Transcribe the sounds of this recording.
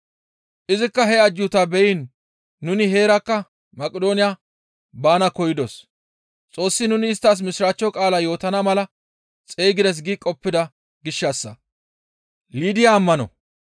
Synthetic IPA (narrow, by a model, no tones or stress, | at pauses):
ʔɪzɪkːɐɦɛɐd͡ʒjʊt̪ɐbɛjɪnː | ʊnɪɦe̞ːɾɐkːɐ | mɐkʼɪd̪o̞ːnɪja | baːnɐkɔjɪd̪os | t͡sʼo̞ːsːɪnʊnɪːst̪ːaːs̬mɪsɾaːt͡ʃːɔkʼaːlajo̞ːt̪ɐnɐmɐlɐ | t͡sʼejɡɪd̪ɛs̬ɡikʼɔpːɪd̪ɐ | ɡɪʃːɐsːɐ | liːd̪ɪjaːmːɐnɔ̰